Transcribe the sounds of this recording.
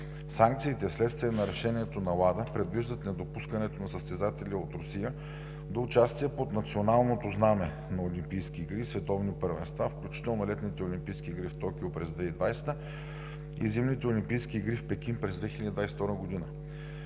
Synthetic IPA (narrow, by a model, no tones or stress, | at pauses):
saŋk̚t̪siːt̪ɛfslɛt̪st̪vijənɐɾɛʃɛniɛt̪onɐlˠad̪əpɾɛd̪viʒd̪ət̪nɛd̪opuskənɛt̪onɐsəst̪ɛzat̪ɛlʲiot̪ɾʊsijə | d̪ɐʊt͡ʃast̪iɛpot̪nɐt̪sionalˠnot̪oznamɛ | nɐolimpijskiːɡɾisvɛt̪ɔvnipəɾvɛ̰nst̪vafklʲut͡ʃi̥t̪ɛlˠnolɛt̪nit̪ɛolʲimpijsk̟iːɡɾift̪ɔkʲiopɾɛzd̪vɛid̪vajsɛ̥t̪ə | ḭzimnit̪ɛolʲimpijskiːɡɾifpɛkʲinpɾɛzd̪vɛxilɛd̪ʲid̪vajsɛt̪ɔɾɡod̪inə